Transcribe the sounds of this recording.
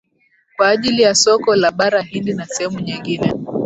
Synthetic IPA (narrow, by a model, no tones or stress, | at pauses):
kwaːʄilijasɔkɔlaɓaɾaɦindinasɛhɛmuɲiŋɡinɛ